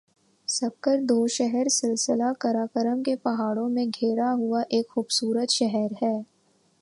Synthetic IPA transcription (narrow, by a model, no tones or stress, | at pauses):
sɐb̚kəɾd̪oːʃɛɦɛɾsɪlsɪlakɐɾaːkəɾəmkepɐɦaːɽõmẽɡʱeːɾaɦʊaʔeːkxuːbsuːɾət̪ʃɛɦɛɾɦɛː